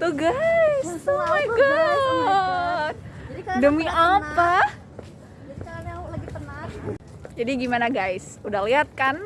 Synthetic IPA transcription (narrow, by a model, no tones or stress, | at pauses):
t̪uɡasomajɡɔ | dəmiapa | laɡipəna | d͡ʒadiɡimanaɡajs | udahliɦat̪̚kan